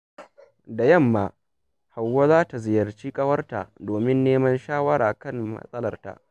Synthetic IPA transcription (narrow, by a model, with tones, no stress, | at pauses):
da˨jɐ˦˨mːaː˨ | ha˨wːa˦zaː˦ta˨zɪ˨jɐ˨rt͡ʃiː˦kʼɐ˦wɐ˦rta̰˨doː˨mɪ˦nːeː˦mɐ˦nʃaː˦wɐ˦ɽʔaː˨kɐ˦˨nmɐ̰˦sʼɐ˦lɐ˨rta̰˦˨ʔ